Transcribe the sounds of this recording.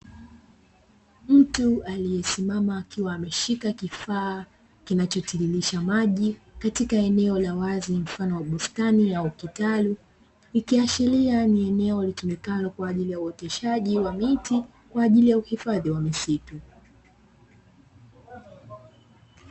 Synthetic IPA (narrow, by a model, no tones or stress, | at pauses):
m̩tualijɛsimamaːkiwaːmɛʃikakifaː | kinat͡ʃɔtililiʃamaʄikatikaɛnɛɔlawazim̩fanɔwaɓustaniaukitalu | ikiaʃilianiɛnɛɔlitumikanɔkwaːʄilijauɔtɛʃaʄiwamiti | kwaːʄilijauhifaðiwamisitu